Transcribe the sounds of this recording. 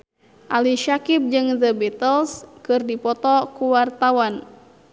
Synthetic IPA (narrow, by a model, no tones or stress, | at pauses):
ʔaliʃakip̚d͡ʒɨŋðəbɛt̪əlskɨrdipɔt̪ɔkuwart̪awan